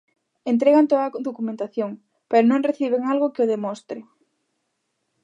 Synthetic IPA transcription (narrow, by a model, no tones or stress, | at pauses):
ent̪ɾeɣant̪oðɐd̪okumẽnt̪aθjoŋ | peɾʊnõŋreθiβ̞eŋalɣʊkɪoðemɔst̪ɾɪ